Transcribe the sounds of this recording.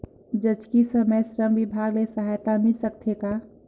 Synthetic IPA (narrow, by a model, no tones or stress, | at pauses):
d͡ʒət͡ʃkisəməjsɾəmʋɪbʱaːɡlesəɦaːjt̪amisək̚t̪ʰeka